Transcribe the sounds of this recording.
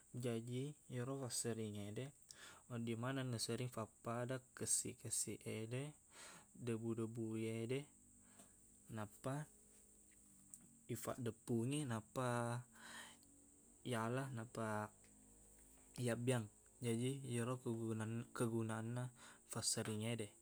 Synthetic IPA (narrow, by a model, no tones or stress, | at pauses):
d͡ʒad͡ʒijəɾofasəɾiŋedɛodimananəsəɾiŋfapːadakəsḭkəsiʔedɛ | dəbudəbujedɛ | napa | ifa̰ʔdəpuŋinapa | jalahnapa | jabiaŋ | d͡ʒadijəɾo | kəɡunaːnːafasəɾiŋedɛ